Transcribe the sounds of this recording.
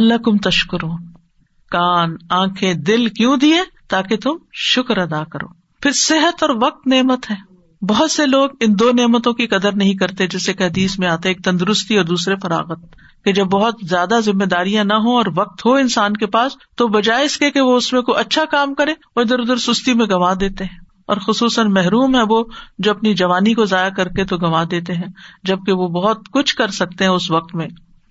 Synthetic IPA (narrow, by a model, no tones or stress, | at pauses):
ɐlːakʊmt̪ɐʃkʊɾuː | kaːnãːkʰẽd̪ɪlkjũd̪iet̪aːket̪ʊmʃʊkɾɐd̪aːkɐɾo̰ː | pʰɪɾsɪɦət̪ɔːɾʋɐq̚t̪neːmət̪ɦɛː | bɐɦʊt̪seloːɡɪ̃nd̪oːneːmət̪õkikɐd̪əɾnɐɦĩkɐɾt̪ed͡ʒɛːsekeɦɐd̪iːsmẽaːt̪eeːk̚t̪ɐ̃nd̪ʊɾʊst̪iɔːɾd̪uːsɾefɐɾa̰ːɣət̪̚ | ked͡ʒɐbːɐɦʊt̪zjaːd̪azɪmːed̪aːɾijãnɐɦoɔːɾʋɐq̚t̪ɦoɪnsaːnkepaːst̪obɐd͡ʒaːɪskekeʋoʊsmẽkoʔɐtːʃʰakaːmkɐɾẽ | oɪd̪əɾʊd̪əɾsʊst̪imẽɡɐʋaːd̪eːt̪eɦɛ̃ | ɔ̰ːɾxʊsuːsənmɛɦɾuːmɦɛ̃ʋod͡ʒoːɐpnid͡ʒɐʋaːnikozaːjakɐɾket̪oɡɐʋad̪eːt̪eɦɛ̃ːd͡ʒɐb̚keʋobɐɦʊt̪kʊt͡ʃʰkɐɾsɐk̚t̪eɦɛ̃ʊsʋɐq̚t̪mẽː